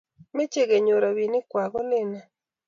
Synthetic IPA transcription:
me˦t͡ʃe˦ɡe˨ɲo˨ɾa˨wi˨nɪ˦kwa˨ɡɔ˦lɪ˦na˨

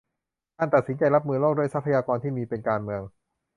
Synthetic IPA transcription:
t̪ʰaː˥˩nt̪a˨˩t̪̚si˦nt͡ɕa˧jɾa˦˥p̚mɯː˧lo˥˩k̚du˥˩jsa˦˥pʰa˧jaː˧kɔː˧nt̪ʰiː˥˩miː˧pe˧nkaː˧nmɯ˧əŋ

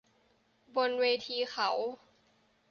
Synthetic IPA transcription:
bo˧nweː˧t̪ʰiː˧xʰa˩˦w

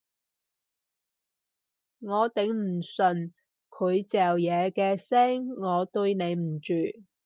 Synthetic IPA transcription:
ŋɔː˨˧t̪ɪ˨˥ŋm̩˨˩sɵ˨˩n | kʰɵ˨˧ɥt͡sɛː˨wjɛː˨˧kɛː˧sɛː˥ŋːɔː˨˧t̪ɵ˧ɥne˨˧jm̩˨˩t͡ʃyː˨

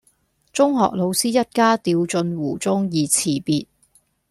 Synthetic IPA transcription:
t͡sʊ˥ŋɦɔ̰ː˨k̚lo˨˧wsiː˥jɐ˥t̚kaː˥t̪iː˧wt͡sɵ˧nwuː˨˩t͡sʊ˥ŋjiː˨t͡sʰiː˨˩piː˨t̚

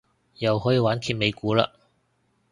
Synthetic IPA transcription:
jɐ˨wɦɔː˨˥jiː˧waː˨˥nkʰiː˨˧t̚me˨˧jkuː˨˥la̰ː˧

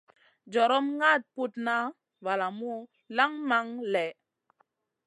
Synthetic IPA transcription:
d͡ʒɔ˨ɾɔ˦mŋa˦˨t̚pu˦tna˦ | va˨la˨mu˦ | la˦ŋma˦ŋlɛ˨

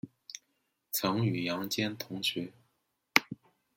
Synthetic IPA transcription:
t͡sʰɤ˧˥ŋy˨˩jɑ˧˥ŋt͡ɕjɛ˥nt̪ʰʊ˧˥ŋɕɥɛ˧˥

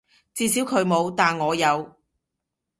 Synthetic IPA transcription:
t͡siː˧si˨˥wkʰɵ˨˧ɥmo˨˧wt̪aː˨nŋɔː˨˧jɐ˨˧w

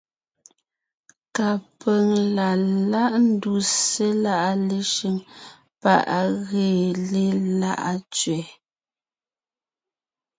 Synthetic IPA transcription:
ka˨pɛ˨ŋla˨la˦ʔn̩˦du˨se˦la˦ʔa˦le˦ʃi˦ŋ | pa̰˦˨ʔa˨ɣeː˨le˦la̰˦ʔa˦t͡ʃɥɛ˨

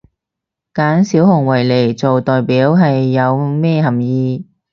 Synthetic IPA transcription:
kaː˨˥nsiː˨˥whʊ˨˩ŋwɐ˨˩jle˨˩jt͡so˨wt̪ɔː˨jpiː˨˥wɦɐ˨jːɐ˨˧wmɛː˥˧ɦɐ˨˩mjiː˧

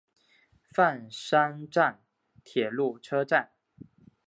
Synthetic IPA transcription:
fa˥˨nʂa˥nʈ͡ʂa˥˩n | t̪ʰjɛ˨˩lu˥˩ʈ͡ʂʰɤ˥ʈ͡ʂa˥˩n

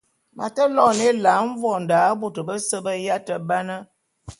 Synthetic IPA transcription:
mʔa̰˨tə˦lɔ˦˨ne˦la˨˦ɱ̩˦vɔ˨n̩˨daː˨˦bo˨tə˨bə˦sə˦bə˦ja˦tə˨ba˦nə˦

